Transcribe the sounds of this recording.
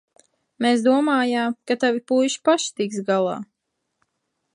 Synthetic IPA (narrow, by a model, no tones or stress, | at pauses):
meːs̬d̪uɔmaːjaːmkat̪avipujʃpaʃt̪iksɡalˠɑ̰ː